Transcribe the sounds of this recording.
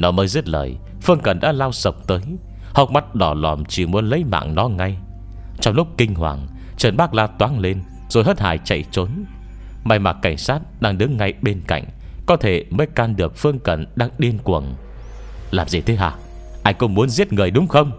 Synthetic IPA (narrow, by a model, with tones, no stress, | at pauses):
nɔ˨˦məː˨˦jzi˦˥t̚lə̰ː˨˩j | fɨ˧əŋkə˨˩nɗa̰ː˧˥laː˧wsə˨˩wk͡p̚t̪əː˨˦j | hə˨˩wk͡p̚ma˦˥t̚ɗɔ˧˩lɔ˨˩mt͡ɕi˧˩mu˨˦ənlə˨˦jma̰ː˧˨ŋnɔ˨˦ŋa˧j | t͡ɕɔ˧wŋ͡mlʊ˦˥k͡p̚kï˧ŋ̟hwa̰ː˨˩ŋ | t͡ɕəː˨˩nɓaː˦˥k̚laː˧wt̪waː˨˦nle˧n | z̥o˨˩jhɦəː˦˥t̚ha̰ː˧˨jt͡ɕa̰˧˨jt͡ɕo˨˦n | ma˧˩jma˨˩t̚kːa˧˩jŋ̟saː˦˥t̚ɗaː˧ŋɗɨ˨˦ŋːa˧jɓe˧nka̰˧˨jŋ̟ | kɔ˨˦t̪ʰe˧˩məː˨˦jkaː˧nɗɨ˨˩ək̚fɨ˧əŋkə˨˩nɗaː˧ŋɗi˧ənkwə̰˨˩n | laː˨˩mzi˨˩t̪ʰe˨˦ʔa̰ː˧˩ | ʔaː˧jkʊ̰˧˥ŋ͡mmu˨˦ənzi˦˥ət̚ŋɨ˨˩əjɗʊ˨˦ŋ͡mxə˧wŋ͡m